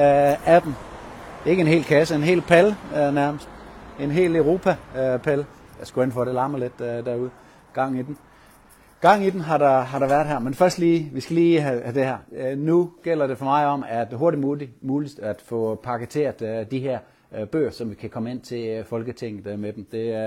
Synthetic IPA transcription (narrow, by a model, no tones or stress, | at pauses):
æd̥n̩ | e̝ɡ̥əe̝nɦe̝̰ːlkʰæsəe̝nɦe̝̰ːlpʰælnæɐməsd̥e̝nɦe̝̰ːleʊʁo̝ːpʰæpʰæljɑsɡ̥uen̰fɒɾelɑ̈məled̥d̥æɐuð̞ˠə | ɡ̥ɑ̈ŋ̰id̥en̩ | ɡ̥ɑ̈ŋ̰id̥en̩ɦɑ̈dɑɦɑ̈ɾ̥ɑ̈ʋæɐd̥ˠɦæɐ̰menfɶɐsd̥liːʋisɡ̥æliːæd̥e̝hæɐnuɡ̥el̰ɐde̝fɒ̽mɑ̈ɪɒ̽mæɐ̥ɦo̝ɐɾimuːlid̥æd̥fɔ̽pʰɑ̈ɡ̥ət͡sʰe̝̰ːɐðˠd̥iɦæɐ̰ | b̥ø̰ːɐsɒ̽mʋikʰækʰɒ̽məe̝n̰t͡sʰe̝fɒ̽lɡ̥ət͡sʰeŋ̰ð̩ˠmed̥em̩d̥e̝